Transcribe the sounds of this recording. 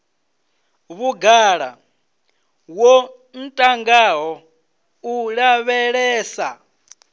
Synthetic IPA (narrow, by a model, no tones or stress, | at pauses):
βuɡaɺa̰ | wɔ | n̩tʼaŋɡaɦɔ | uɺaβɛɺɛːsa